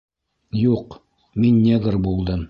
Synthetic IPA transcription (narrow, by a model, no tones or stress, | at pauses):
juq | minːeɡrbulˠd̪ɤm